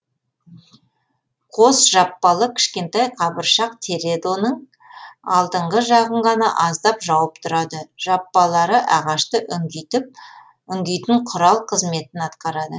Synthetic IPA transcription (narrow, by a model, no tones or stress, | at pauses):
qʰo̞sʒɑpːɑlˠəkʲʰɪ̥ʃkʲe̞nt̪ɑjqʰɑbəɾʃɑq̚t̪ʰeɾe̞d̪o̞nəɴ | ɑ̰lˠd̪əɴʁəʒɑʁəɴʁɑnɑʔɑzd̪ɑpʒɑwəpt̪ʰʊɾɑd̪əʒ̥ɑpːɑlˠɑɾəʔɑʁɑʃt̪əʔʏt̪ɪp̚ | ʏŋɡʲijt̪ɪɴqʰʊɾɑlˠqʰəzme̞t̪ɪnɑt̪qɑɾɑd̪ə